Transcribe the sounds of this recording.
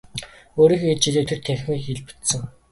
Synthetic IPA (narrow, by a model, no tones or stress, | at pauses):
oːɾiːxɡett͡ɕiɮeːt̪ʰert̪ʰæxʲmiːxxeɮpɘ̥t̪sɘ̆ŋ